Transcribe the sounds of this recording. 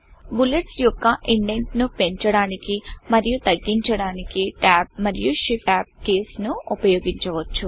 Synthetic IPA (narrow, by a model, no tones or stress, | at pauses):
buleʈsjɔkːɐʔiɳɖe̞ɳʈnupe̞ɲt͡ʃɐɽaːnikimɐɾijut̪ɐɡːiɲt͡ʃɐɽaːnikiʈaːp̚mɐɾijuʃipaːp̚ke̞ːsnuupɐjoːɡiɲt͡ʃɐʋɐt͡ʃːu